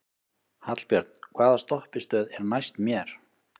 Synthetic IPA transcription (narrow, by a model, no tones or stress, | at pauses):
hat̪l̥pjœɾt̪n̥kʰvaːðast̪ɔhpɪst̪œːðɛɾnajst̪mjɛɾ̥